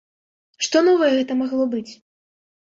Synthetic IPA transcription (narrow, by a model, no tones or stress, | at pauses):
ʂt̪ɔnɔvɐjɛɣɛt̪ɐmaɣlˠɔbɨt͡sʲ